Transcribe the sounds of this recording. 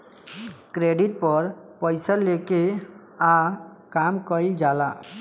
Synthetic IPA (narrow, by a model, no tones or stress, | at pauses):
kɾeɖiʈ̚pɔɾpəjsəlːeke | a | kamkəid͡ʒala